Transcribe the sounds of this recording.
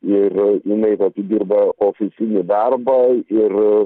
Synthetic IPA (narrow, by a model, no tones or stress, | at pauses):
ɪrɪnɐɪt̪ɐt̪ʲɪd̪ʲiːrbɐoːfʲɪsʲɪnʲɪd̪ɐrbɐɪr